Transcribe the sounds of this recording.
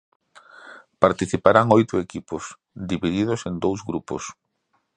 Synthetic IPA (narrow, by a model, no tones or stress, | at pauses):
paɾt̪iθipaɾaŋojt̪ʊekipʊs | d̪iβiðiðʊsend̪owzɣɾupʊ̰s